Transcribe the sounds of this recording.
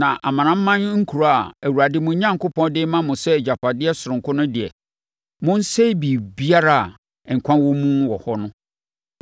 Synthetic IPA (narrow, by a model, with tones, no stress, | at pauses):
nã˨ʔa˨mã˨nã˦m̩˦mã˦n˦ŋ̩˦kʰu˨ɾa˨æ˨wu˨ɾa˨dɪ˦mʊ̃˨˦ɲã˦ŋ˨kʊ˦pʰɔ̃˦ndɪ˦mã˦mʊ̃˨sɛ˦˨d͡ʑa˨pa˨dɪ˦ɛ˦sʊ˨ɾʊ̃˨ŋ˨kʰʊ˦nʊ̃˦dɪ˨ɛ̰˨ | mʊ̃˦n̩˦se˦bi˨bi˦a˦ɾa˦a˨ | ŋ̩˨kʷʰã˦nwɔ˦mũ˦wɔ˨hɔ˦nʊ̃˦